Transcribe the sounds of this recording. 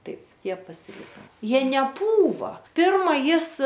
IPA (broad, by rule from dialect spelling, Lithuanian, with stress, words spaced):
ˈtɐɪp ˈtʲiɛ pɐsʲɪˈlʲɪkɐ ˈjiɛ nʲɛˈpuːʋɐ ˈpʲɪrmɐ ˈjɪs